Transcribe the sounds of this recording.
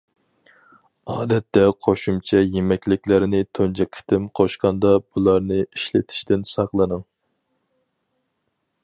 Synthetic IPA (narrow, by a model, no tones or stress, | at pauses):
ɑːd̪ɛt̪ːɛqʰoʃumt͡ʃʰɛjemɛkʲlɪkʲlɪɾɪnɪt̪ʰond͡ʒɛkʰɪ̥t̪ʰɪmqʰoʃqɑnd̪ɑb̥ulˠɑɾnɨiʃlɪt̪ʰɪ̥ʃt̪ɪnsɑqlˠɨnɨŋ